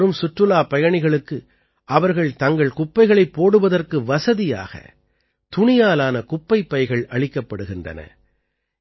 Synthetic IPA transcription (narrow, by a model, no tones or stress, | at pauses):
ɾɯmsʊʈrɯlaːpɐjɐɳɪɣɐɭɯkːɯ | ʔɐʋɐɾɣɐɭt̪ɐŋɡɐɭkʊpːɐɪɣɐɭɐɪpːoːɽɯʋɐðɐrkɯʋɐsɐðɪja̰ːɣɐ̰ | t̪ʊɳɪjaːlaːnɐkʊpːɐɪpːɐɪɣɐɭʔɐɭɪkːɐpːɐɽɯɣɪndrɐ̰nɐ̰